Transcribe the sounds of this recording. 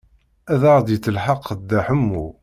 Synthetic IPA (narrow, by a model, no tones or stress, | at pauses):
æðɑɾˤd̪jət͡sːəlħɑqːd̪ːæħəmːṵ